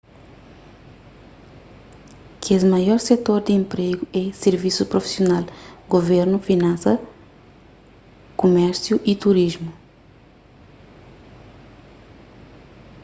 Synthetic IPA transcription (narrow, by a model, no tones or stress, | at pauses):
kɛzmɐjɔɾset̪oɾd̪ɪẽmpɾeɡuɛseɾvisupɾofi̥sjonalɡoveɾnufinɐ̃sɐ | kumɛɾsjuʔit̪uɾiʒmu